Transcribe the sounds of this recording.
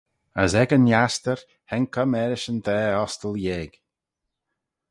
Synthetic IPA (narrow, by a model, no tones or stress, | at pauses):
əzɛɡənjast̪əɹ | hɛnkʰəmɛɾɪʃənd̪ɛːɔst̪əlˠjeːɡ̥